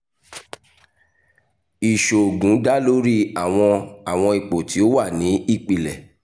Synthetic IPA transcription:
i˨ʃo˨ɡũ˨˦da˦lo˦ɾi˦a˦˨w̃ɔ̃˧a˦˨w̃ɔ̃˧i˨k͡po˨ti˨˦o˦wa˦˨nĩ˨˦i˦˨k͡pi˨lɛ˨

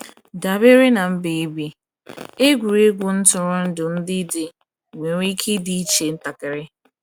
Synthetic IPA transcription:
da˨be˦ɾɪ˦na˨m̩˦be˨i˦bi˨ | e˦ɡʷu˨ɾe˦ɡʷʊ˨n̩˦tʊ˨ɾʊ˦n̩˦dʊ˨n̩˦dɪ˦dɪ˨ | ŋʷe˨ɾʷi˦kʰi˦di˨˦i˦t͡ʃe˨n̩˦ta˨kɪ˨ɾɪ˦

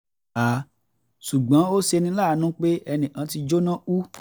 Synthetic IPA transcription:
a˨ | ʃu˨ɡ͡bã˨˦o˦ʃe˧nĩ˧la˦˨˦nũ˦k͡pe˦ɛ˧nĩ˨ʔã˨˦ti˧d͡ʒo˦nã˦u˦

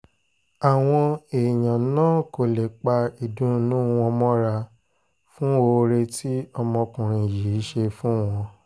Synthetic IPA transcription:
a˨w̃ɔ̃˧e˨j̃ã˨˦nãː˦ko˨le˨k͡pa˧i˨dũ˨˦nũ˦˧wɔ̃˧mɔ̃˦ɾa˧ | fũ˦o˧ɾe˧tʰi˦ɔ˧mɔ̃˧kũ˨ɾ̃ĩ˧˨ji˨˦ʃe˧fũ˦w̃ɔ̃˧

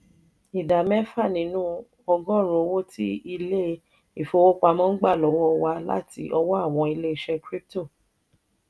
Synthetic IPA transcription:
i˨da˨mɛ̃˦fa˦˨nĩ˨˦nũ˦ | ɔ˧ɡɔ̃˦˨ɾo˧wo˦ti˦i˧le˦ | i˨fo˧wo˦k͡pa˧mɔ̃˦n̩˦ɡ͡ba˦˨lɔ˨wɔ˦wa˧la̰˦ti˧ʔɔ˧wɔ˦a˦˨w̃ɔ̃˧i˧le˦i˧ʃɛ˧kɾi˦p̚to˦˨

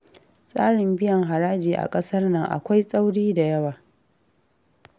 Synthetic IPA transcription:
sʼaː˦ɽɪ˨mbɪ˦jɐ˨ŋɦa˨ɾaː˦d͡ʒiː˨ʔa̰˨kʼɐ˦sɐ˦rnɐ˨ŋʔa̰˨kʷa˦jsʼa˦wɽiː˦da˨jɐ˦waː˨

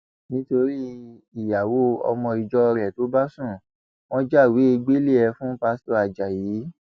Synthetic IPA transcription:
nĩ˦to˧ɾi˦ | i˨ja˨wo˦ɔ̰˧mɔ̃˧i˧d͡ʒɔ˧ɾɛ˨to˨˦ba˦sũ˦˨ | w̃ɔ̃˦d͡ʒa˦˨wi˨˦e˧ɡ͡be˦le˦˨ɛ˧fũ˦pa˧˦sto˧˨a˨d͡ʒa˨jiː˨˦

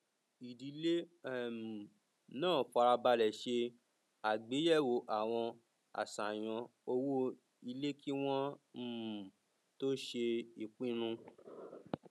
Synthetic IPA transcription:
i˨di˨˦le˦˨m˨ | nãː˦˨fɔ˧a˧ɾa˧ba˧lɛ˨ʃe˧ | a˨ɡ͡be˨˦jɛ˦˨wo˨ʔa˨w̃ɔ̃˧ | a̰˨sa˨j̃ɔ̃˧o˧wo˦ | i˧le˦kʰi˦w̃ɔ̃˦˨ | to˦ʃe˧i˨k͡pĩ˦ɾũ˧

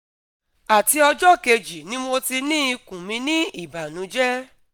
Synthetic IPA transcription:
a˨ti˧ɔ˧d͡ʒɔ˦˨ke˧d͡ʒi˨nĩ˦mo˧ti˧nĩ˦i˧kũ˨mĩ˧nĩ˦i˦˨ba˨nũ˨˦d͡ʒɛ˦

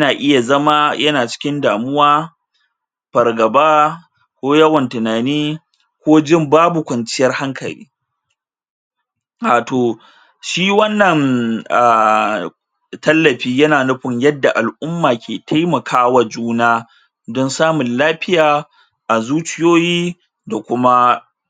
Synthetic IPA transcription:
jɐ˦naː˨ʔɪ˦ja˨zɐ˦ma˦jɐ˦naː˨t͡ʃɪ̥˦kʲɪ˦ndaː˨mʊ˦waː˦ | ɸɐ˨rɡɐ˨baː˦ | kʷoː˦jɐ˦wɐ˨ntʊ˨naː˨niː˦ | kʷoː˦d͡ʒɪ˦mbaː˦bu˨kʷɐ˨nt͡ʃɪ˦jɐ˦rha˦ŋkʰɐ˨lḭː˦ | aː˨toː˨ | ʃiː˦wɐ˦nːɐ˨ŋa˨ | tɐ˦lːɐ˨ɸiː˦jɐ˦naː˨nʊ˦ɸɪ˨ɲjɐ˦dːa˨ʔa˨lʔʊ˦mːaː˨kʲʰeː˨tʰa˦jmɐ˨kʰaː˦wa˨d͡ʒuː˦naː˦ | dɔ˦nsaː˦mʊ˨nlaː˦ɸɪ˦jaː˨ | ʔa˨zuː˦t͡ʃɪ˦joː˦jiː˦ | da˨kʷʊ˦ma˦

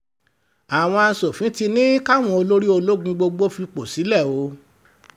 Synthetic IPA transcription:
a˨w̃ɔ̃˧a˧so˨fĩ˨˦ti˧nĩ˦ka˦w̃ɔ̃˧o˧lo˦ɾi˦o˧lo˦ɡũ˧ɡ͡bo˧ɡ͡bo˦fi˧k͡po˨si˨˦lɛ˦˨o˨˦

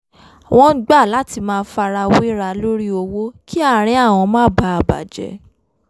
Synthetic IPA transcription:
a˨w̃ɔ̃˧˦ɡ͡ba˦˨la˨˦ti˧mãː˦˧˦fa˧ɾa˧wo˦ɾa˧lo˦ɾi˦o˧wo˦ki˦a˦˨ɾ̃ĩ˧a˦˨w̃ɔ̃˧mãː˦ba˦a˧˨ba̰˨d͡ʒɛ̰˧˦

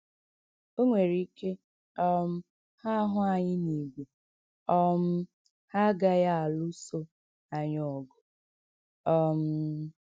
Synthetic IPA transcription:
o˦ŋʷe˨ɾi˦ke˦ | ɔ˦m̩˦ | ha˦ɦʊ˦a˨ɲɪ˦ni˨ɡʷe˨ | ɔ˦m̩˦ | ha˦ɡa˦ja˦a˨lʊ˦so˦ | a˨ɲ˨ɔ˨ɡʊ˨ | ɔ˦m̩˦

